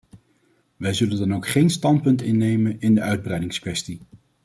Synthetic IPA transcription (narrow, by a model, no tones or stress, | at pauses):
ʋɛjzɵləndɑnowkχejnstɑntpɵntɪnːejmənɪndəʔœɥd̚brɛjdɪŋskʋɛsti